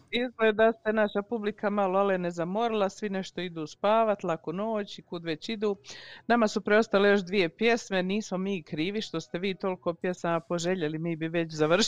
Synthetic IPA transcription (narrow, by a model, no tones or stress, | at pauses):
izɡleːd̪ast̪enaʃapublikamaloalne̞zamo̞ɾilˠasʋine̞ʃt̪o̞id̪uːspaːʋat̪lˠakono̞ːt͡ɕikud̪ʋet͡ɕid̪uːnamasupɾeo̞st̪ale̞jo̞ʃ̬d̪ʋije̞pje̞sme̞niːsmo̞miːkɾiːʋiʃt̪o̞st̪e̞ʋiːt̪o̞liko̞pje̞samapo̞ʒe̞ʎe̞limiːbiʋe̞t͡ɕzaʋrʃ